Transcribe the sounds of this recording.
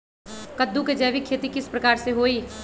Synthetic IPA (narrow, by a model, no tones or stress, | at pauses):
kəd̪ːuked͡ʒɐːʋikʰːeːt̪ikɪspɾɐkaːɾseɦoːi